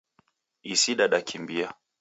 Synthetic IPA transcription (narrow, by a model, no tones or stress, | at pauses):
isiɗaɗakʰimbia